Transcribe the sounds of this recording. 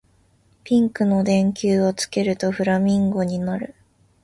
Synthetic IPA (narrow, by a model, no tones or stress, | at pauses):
pʲĩŋkɯ̟no̞d̪ẽ̞ŋkʲɨːo̞t͡sɨ̥ke̞ɾɯ̟t̪o̞ɸɯ̟ɾamʲĩŋɡo̞ɲ̟inaɾɯ̟